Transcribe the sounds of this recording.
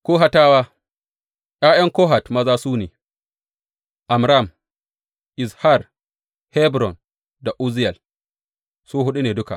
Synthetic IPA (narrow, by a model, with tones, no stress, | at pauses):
kʷoː˦ɦa˦taː˦waː˦ | jaː˦jɐ˦ŋkoː˦ɦa˨tmɐ˦zaː˦suː˦nḛː˨ | ʔa˨mɾa˦˨m | ʔɪ˨sha˦˨r | hɛ˦bɾɔ˨n | da˨ʔu˦zɪ˦ja˨l | su˦ɦʊ˦ɗu˦neː˨dʊ˦ka̰˨ʔ